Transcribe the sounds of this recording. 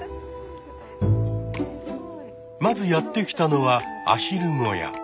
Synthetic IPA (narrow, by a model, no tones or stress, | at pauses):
mazɨjat̪ːe̞kʲi̥t̪ano̞βaa̰ɕiɾɯ̟ŋo̞̰ja̰